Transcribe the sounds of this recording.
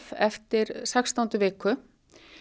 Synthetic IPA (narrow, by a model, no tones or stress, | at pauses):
vɛft̪ɪɾsakst̪awnt̪ʏvɪːkʏ